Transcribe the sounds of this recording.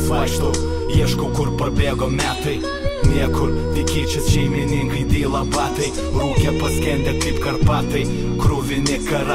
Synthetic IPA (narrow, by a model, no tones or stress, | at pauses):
fɑʃt̪o | jiɛʃkokʊɾpɐbʲeːɡoːmʲæːt̪ɐɪ | nʲiɛkʊɾʋ̪ʲɪkʲiːt͡ʃʲʊsʃʲɛɪmʲɪnʲɪŋkɐɪd̪ʲiːlˠɐpɑːt̪ɐɪ | lˠɐʊkʲɛpɐsʲkʲɛnʲd̪ʲɛkɐɪpkɐrpɑːt̪ɐɪ | kɾʊʋʲɪnʲɪkɐɾ